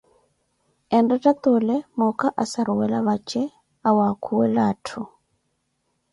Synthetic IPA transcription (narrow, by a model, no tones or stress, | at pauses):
ɛndatat̪olɛmɔkaʔasaɾuwɛlaβat͡ʃɛ | awakʰuwɛlatʰu